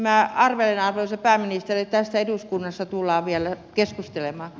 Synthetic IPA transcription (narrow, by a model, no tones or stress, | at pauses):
mæɑrʋelenɑrʋoisɑpæːminist̪eritt̪æst̪ːæeduskunːɑst̪ɑt̪ulːˑɑːʋiælæ | keskust̪elemɑː